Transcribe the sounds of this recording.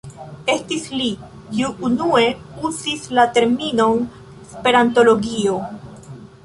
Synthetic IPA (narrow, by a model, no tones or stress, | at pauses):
e̞stisli | kiuːnue̞uzislate̞ɾmino̞n | spe̞ɾanto̞lo̞ɡio̞